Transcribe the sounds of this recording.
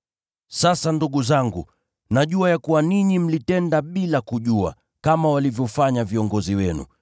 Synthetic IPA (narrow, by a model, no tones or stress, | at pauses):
sasanduɠuzaŋɡṵ | naʄuajakuwaniɲim̩litɛndaɓilakuʄua̰ | kamawalivjɔfaɲaviɔŋɡɔziwɛnṵ